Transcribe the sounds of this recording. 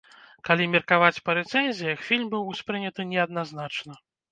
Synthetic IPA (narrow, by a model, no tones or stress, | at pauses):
kalʲimʲɛrkavat͡sʲpɐɾɛt̪sɛnʲzʲijɐxfʲilʲmbɨwsʲpɾɨnʲɐt̪ɨnʲɛɐd̪̚naznat͡ʂnɐ